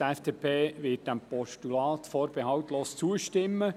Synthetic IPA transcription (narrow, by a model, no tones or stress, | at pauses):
ɛfd̥eːpʰeːʋɪt̚d̥æmpɔʃtulɑːtfɔːɾb̥eɦɑwtloːst͡suəʃtɪmːə